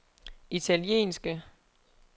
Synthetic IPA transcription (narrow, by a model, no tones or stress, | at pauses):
it͡sʰæliḛːnsɡ̥ə